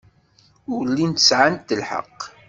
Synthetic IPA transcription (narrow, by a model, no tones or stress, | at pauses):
ʊɾlːint̪əsʕant̪ːəlħə̰qː